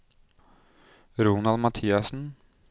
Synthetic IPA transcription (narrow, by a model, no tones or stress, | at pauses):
ɾuːnɑlmɑt̪ʰiːɑsn̩